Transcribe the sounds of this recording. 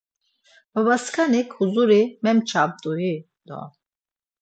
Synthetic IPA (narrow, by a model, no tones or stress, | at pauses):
baβaskʰanikʰhuzuɾimɛmt͡ʃʰab̚d̪uji | d̪̥ɔ̰